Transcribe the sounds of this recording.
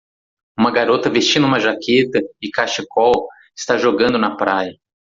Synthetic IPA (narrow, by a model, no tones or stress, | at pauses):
ũmɐɡaɾot̪ɐvest͡ʃĩnũmɐʒakʰet̪ɐɪkaʃikɔw | ɪst̪aʒoɡɐ̃nd̪ʊnɐpɾajɐ